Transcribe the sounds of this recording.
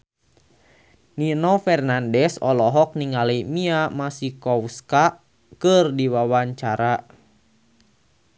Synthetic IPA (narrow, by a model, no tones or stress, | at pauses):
ninɔfɛrnandɛsɔlɔɦɔk̚niŋalimiamasikɔwska | kɨrdiwawaɲt͡ʃaɾa